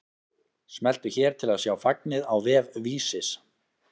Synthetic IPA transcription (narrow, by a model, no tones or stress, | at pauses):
smɛl̥t̪ʏçɛːɾ̥t̪ʰɪlaðsjaːwfak̚nɪðawvɛːvviːsɪs